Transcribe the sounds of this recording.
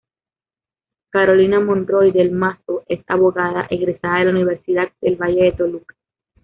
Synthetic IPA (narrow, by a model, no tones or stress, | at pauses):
kaɾo̞linamõ̞nro̞jd̪elmasoʔe̞saβoɣaðaʔeɣɾesaðaelauniβe̞ɾsiðat̪̚d̪elβajeðet̪olukḁ